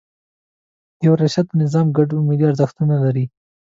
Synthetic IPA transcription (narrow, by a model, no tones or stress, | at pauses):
jawɾaʃad̪̚nɪzɑmɡaɖʊmed̪iaɾzaxt̪unalaɾi